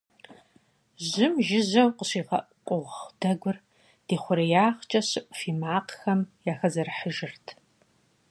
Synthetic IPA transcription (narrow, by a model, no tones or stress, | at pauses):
zɪmʒɪzɐwqəɕiːʁɐʔqʷʼʊʁd̥ɐɡʷʊr | d̥iːχʷʊɾɐjaːʁt͡ʃʼɐɕɨʔʷʼfiːmaːqxɐmjaːxɐzɐrħəʒɨrtʰ